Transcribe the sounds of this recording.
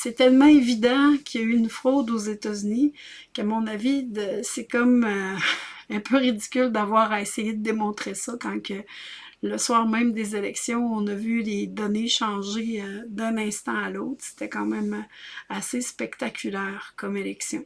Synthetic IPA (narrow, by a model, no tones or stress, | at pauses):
sɛt̪ɛlmɑ̃evid̪ɑ̃kʲʰijayynfχod̪ozet̪azyni | kamɔ̃navid̪əsɛkɔmø | ɛ̃pøʁid̪i̥kʲʏld̪avwaːʁesejed̪əd̪emɔ̃t̪χesɔkɑ̃kʲə | ləswaːʁmɛ̃md̪ezelɛksjɔ̃ɔ̃nəvyled̪ɔneʃɑ̃ʒeəd̪ɛ̃nɛ̃st̪ɑ̃aloʊt̪χse̥t̪ɛkɑ̃mɛ̃masespɛkt̪akʲylɛːʁkɔmelɛksjɔ̰̃